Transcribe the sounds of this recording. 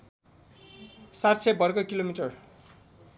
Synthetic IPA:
sart͡sʰebʌrɡʌkilomiʈʌr

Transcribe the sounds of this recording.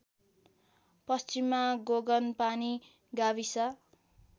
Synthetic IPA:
pʌst͡ʃimːaɡoɡʌnpani | ɡabisa

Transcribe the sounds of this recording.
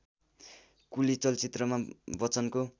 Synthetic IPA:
kulit͡sʌlt͡sit̪rʌmabʌt͡sʌnko

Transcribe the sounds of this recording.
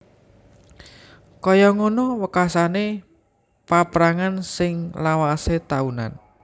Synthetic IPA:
kɔjɔŋonɔwəkasane | papɾaŋansɪŋlawaset̪auna̰n

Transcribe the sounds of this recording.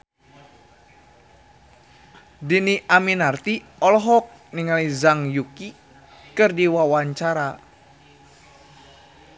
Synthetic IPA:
diniʔaminart̪i | ɔlɔɦɔk̚niŋalizaŋjuki | kɨrdiwawaɲt͡ʃaɾa

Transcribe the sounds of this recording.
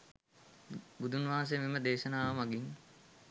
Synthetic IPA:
bud̪ʱunʋaːs̬ejmiməd̪eːʃɐnaːʋɐmaɡiŋ

